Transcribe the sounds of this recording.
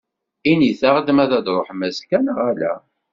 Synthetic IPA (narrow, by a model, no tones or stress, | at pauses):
iniθaʁəd̪mæðæd̪ɾˤoħmæskænəʁælæ̰